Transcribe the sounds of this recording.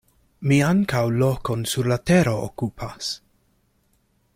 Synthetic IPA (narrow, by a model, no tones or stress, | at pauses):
miaŋkawlokonsuɾlateɾo̞o̰kupʰas